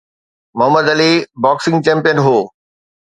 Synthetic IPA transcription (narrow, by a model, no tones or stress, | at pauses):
mʊɦəməd̪ɐlibaːksɪ̃ŋɡt͡ɕɛ̃ːmpijənɦoː